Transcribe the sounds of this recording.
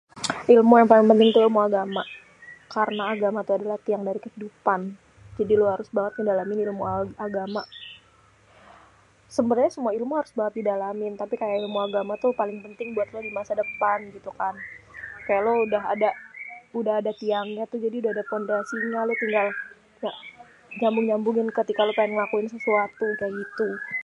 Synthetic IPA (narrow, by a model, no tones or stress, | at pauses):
ʔilmujaŋpalɪŋpənt̪ɪŋt̪uilmuaɡama | kaɾənaːɡamat̪uadalaht̪iaŋdaɾikəhidupan | d͡ʒadiloɦaɾʊsbaŋət̪̚ŋədalamɪnilmuaaɡama | səmbərɲasəmuailmuɦaɾʊsbaŋət̪̚didalamɪnt̪apikajaʔilmuaɡamat̪ʊhpalɪŋpənt̪ɪŋbuat̪lodimasadəpanɡit̪ukankajaʔloudaɦadaudaɦadat̪iaŋɲat̪ʊd͡ʒadiudahadafondasiɲalat̪iŋɡal | ja | d͡ʒambʊŋd͡ʒambʊŋɪnkət̪ikalopaɪnŋəlakuɪnsəsuat̪ukajait̪u